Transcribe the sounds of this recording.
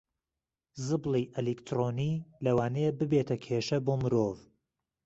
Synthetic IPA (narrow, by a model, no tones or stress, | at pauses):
zɨblˠiʔɛlikt̪ʰɾoːnilɐwaːnebɨbet̪ʰɐkʰeʃɐboːmɨɾov